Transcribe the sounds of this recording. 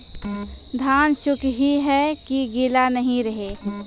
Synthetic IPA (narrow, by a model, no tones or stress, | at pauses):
d̪ʱaːnʃʊkʰɦiɦɛkiɡilanəɦĩɾəɦe